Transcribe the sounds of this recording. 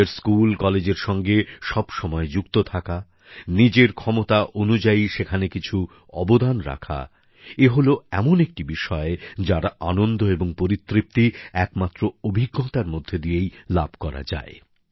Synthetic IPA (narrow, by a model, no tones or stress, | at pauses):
eɾskulkɔled͡ʑeɾʃɔŋɡeʃɔbʃɔmɔed͡ʑukt̪ot̪ʰaka | nid͡ʑeɾkʰɔmot̪aʔonud͡ʑaiʃekʰanekit͡ɕʰu | ɔ̰bod̪anɾa̰kʰa̰ | eɦoloɛmonek̚ʈibiʃɔed͡ʑaɾaʔanond̪ʱoeboŋpoɾit̪ːɾip̚t̪iɛkmat̪ːɾoobʱiɡːɔt̪aɾmod̪ʱːed̪iejlab̚ʱkɔɾa̰d͡ʑa̰e